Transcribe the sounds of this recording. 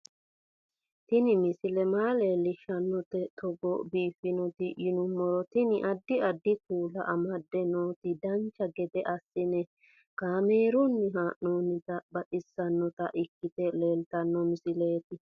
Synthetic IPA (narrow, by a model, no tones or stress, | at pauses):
t̪ɪnɪmɪsɪlɛmaːleːlːɪʃɐnːɔt̪ɛt̪ɔɡɔbiːfɪnɔt̪ɪjɪnʊmːɔɾɔt̪ɪnɪʔɐd̪ːɪɐd̪ːɪkuːlɐ̰ʔɐmɐd̪ːɛnoːt̪ɪd̪ɐnt͡ʃːɐɡɛd̪ɛʔɐsːɪnɛ | kaːmeːɾʊnːɪɦaːʔnoːnɪt̪ɐbɐᶑɪsːɐnːɔt̪ɐ̰ʔɪkːɪt̪ɛleːlt̪ɐnːɔmɪsɪle̞ːt̪ɪ